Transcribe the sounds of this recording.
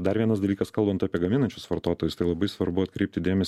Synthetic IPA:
d̪ɐɾʋʲiɛnɐsd̪ɐlʲiːkɐskɐlˠbɐnt̪ɑːpʲiɛɡɐmʲɪnɐnʲt͡ʃʲʊsʋɐɾt̪oːt̪oːjʊst̪ɐɪlˠɐbɐɪsʋɐɾbʊɐt̪kɾʲɛɪp̚ʲt̪ʲɪd̪ʲeːmʲɛsʲ

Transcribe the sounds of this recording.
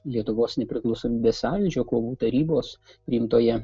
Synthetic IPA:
lʲiɛt̪ʊʋoːsnʲɛpʲɾʲɪklˠɒʊsoːmʲiːbʲeːsɑːʋʲɪd͡ʒʲoːkoːʋuːt̪ɐɾʲiːboːspʲɾʲiːɪmt̪oːjɛ

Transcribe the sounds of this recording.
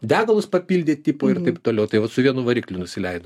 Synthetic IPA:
d̪ʲæːɡɐlˠʊspɐpʲiːlʲdʲeːttʲiːpoːɪɾt̪ɐɪpt̪oːlʲɛʊt̪ɐɪʋɐt̪sʊʋʲiɛnuːʋɐɾʲiːklʲʊnʊsʲɪlʲɛɪd̪o

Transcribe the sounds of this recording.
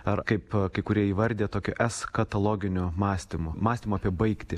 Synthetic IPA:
ɐɾkɐɪpkɐɪkʊɾʲiɛiːʋɐɾʲd̪ʲeːt̪oːkʲʊʔɛskɐt̪ɐlˠoːɡʲɪnʲʊmɑːsʲt̪ʲɪmʊmɑːsʲt̪ʲɪmʊɑːpʲiɛbɐɪkt̪ʲɪ

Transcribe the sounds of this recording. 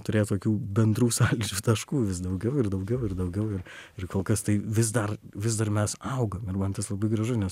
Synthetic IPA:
t̪ʊɾʲeːt̪oːkʲuːbʲɛnd̪ɾuːsɑːlʲid͡ʒʲuːt̪ɐʃkuːʋʲɪs̬d̪ɐʊɡʲɛʊɪrd̪ɐʊɡʲɛʊɪrd̪ɐʊɡʲɛʊɪrɪrkoːlˠkɐst̪ɐɪʋʲɪzd̪ɐrʋʲɪzd̪ɐrmʲɛsɐʊɡɐmɪrmɐnt̪ɐslˠɐbɐɪɡɾɐʒʊɪnʲɛs

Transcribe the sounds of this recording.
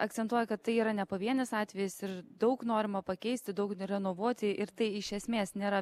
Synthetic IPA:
ɐk̚t̪sʲɛnt̪uɔjɛkɐt̪t̪ːɐɪiːɾɐnʲɛpoːʋʲiɛnʲɪsɑːt̪ʲʋʲɛjɪsɪɾd̪ɐʊknoːɾʲɪmɐpɐkʲɛɪsʲt̪ʲɪd̪ɐʊkɾʲɛnoːʋuɔt̪ʲɪɪɾt̪ɐɪɪʃʲɛsʲmʲeːsnʲeːɾɐ

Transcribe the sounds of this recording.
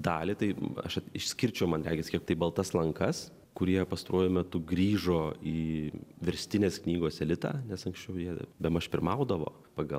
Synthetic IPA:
d̪ɑːlʲɪt̪ɐɪɐ̰ʃɐt̪ɪʃsʲkʲɪɾʲt͡ʃʲɛʊmɐnɾʲæːɡʲɛsʲkʲiɛkt̪ɐɪbɐlˠt̪ɐslˠɐŋkɐs | kʊɾʲiɛpɐst̪ɐɾʔuɔjʊmʲɛt̪ʊɡɾʲiːʒoːiːʋʲɛɾʲsʲt̪ʲɪnʲeːsknʲiːɡoːsɛlʲɪt̪ɑ̰ːnʲɛsɐŋksʲt͡ʃʲɛʊjiɛbʲɛmɐʃpʲɪɾmɐʊd̪ɐʋo̰ː | pɑɡɐlˠ

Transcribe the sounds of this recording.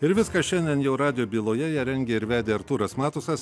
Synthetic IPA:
ɪɾʋʲɪskɐʃʲɛnʲd̪ʲiɛnjɛʊɾɑːd̪ʲɪjoːbʲiːlˠoːjɛjɛɾʲɛŋʲɡʲeːɪɾʋʲæːd̪ʲeːɐɾt̪uːɾɐsmɑːt̪ʊsɐs

